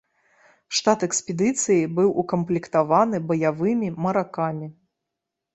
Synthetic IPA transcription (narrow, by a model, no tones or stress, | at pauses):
ʂt̪at̪ɛksʲpʲɛd̪ɨt̪sɨjibɨwʔukɐmplʲikt̪avanɨbɐjavɨmʲimɐɾakamʲi